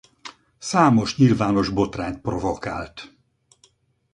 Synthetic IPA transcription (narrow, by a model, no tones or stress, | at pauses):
saːmo̞ʃɲilvaːno̞ʒbo̞t̪raːnt̪̚pro̞voka̰ːlt̪